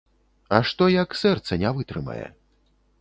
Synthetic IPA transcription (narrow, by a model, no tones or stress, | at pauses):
ɐʂt̪ɔjɐksɛrt̪sɐnʲavɨt̪ɾɨmɐ̰jɛ̰